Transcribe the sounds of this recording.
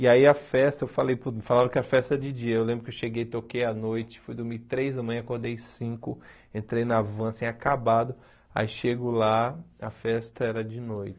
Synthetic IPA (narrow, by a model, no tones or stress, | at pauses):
iaiɐfɛst̪ɐewfalejput̪ɐfalavɐkɪɐfɛst̪ɐd͡ʒɪd͡ʒiɐewlẽmbɾʊkewʃeɡejt̪okejɐnojt͡ʃɪ̥fujd̪ʊɾmit̪ɾejzɐmɐ̃j̃ɐ̃ɐkohd̪ejsĩkʊ | ẽnt̪ɾejnavɐ̃asĩɲakabad̪ʊ | a̰iʃeɡʊlaɐfɛst̪ɐɛɾɐd͡ʒɪnojt͡ʃɪ̥